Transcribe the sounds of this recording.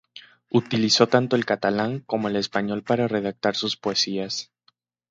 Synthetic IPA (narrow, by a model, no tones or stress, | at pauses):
ut̪iliso̞t̪ant̪o̞e̞lkat̪alaŋko̞mo̞e̞le̞spaɲo̞lpaɾare̞ð̞ak̚t̪aɾsuspoesias